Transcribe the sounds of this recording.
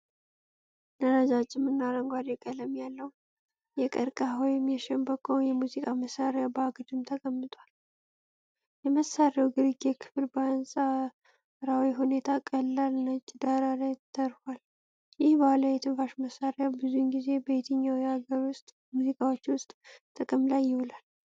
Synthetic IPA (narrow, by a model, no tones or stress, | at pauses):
nəɾad͡ʒat͡ʃʼːɪmːɨnːaɾəŋɡʷad̪jɛkʼələmjalːəwu | jɛkʼəɾkʼaɦɔjmjɛʃɛmbəkʼownjɛmuzikʼaməsaɾjabaɡd̪ɨmt̪ʰəkʼəmːɨt̪ʼal | jɛməsːaɾawɡɨɾiɡɛkʰɨ̥fɨɾbəansʼa | ɾawiɦune̞t̪ʰakʼəlːalnət͡ʃːd̪aɾalajt̪ʰːəɾfal | jɪhbahlawjɛt̪ʰɨnfaʃməsaɾjabɨzujnɡize̞bət̪ʰəɲːawihaɡəɾwʊst̪ʼ | muzikʼawot͡ʃːwʊst̪ʼt̪ʰːəkʼəmlajːɪhɔlal